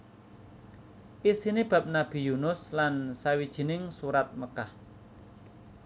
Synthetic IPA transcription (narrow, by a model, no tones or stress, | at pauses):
ʔisinib̥a̤p̚nab̥i̤junʊslansawid̥ʒ̥i̤nɪŋsuɾat̪̚məkah